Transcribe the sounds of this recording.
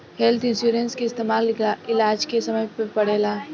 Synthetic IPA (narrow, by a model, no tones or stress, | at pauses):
hɛlt̪ʰɪ̃nsuːɾenskeɪst̪eːmaːlɪlaɪlaːd͡ʒkesɐməjpepɐɽeːlaː